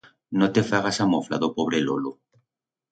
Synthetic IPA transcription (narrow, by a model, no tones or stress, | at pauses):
not̪efaɣasamofla̰ðopoβɾelolo